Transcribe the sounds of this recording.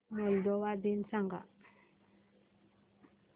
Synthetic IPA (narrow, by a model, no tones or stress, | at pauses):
mɔld̪ɔwad̪insaŋɡa̰